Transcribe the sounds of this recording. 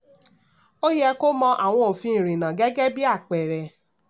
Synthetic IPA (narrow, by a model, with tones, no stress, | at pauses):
o˦jɛ˧ko˦mɔ̃˧ʔa˨w̃ɔ̃˧o˨fĩ˧˦˨ɾ̃ĩ˨nã˨ɡɛ˦ɡɛ˦bi˦a˦˨k͡pɛ˨ɾɛ˨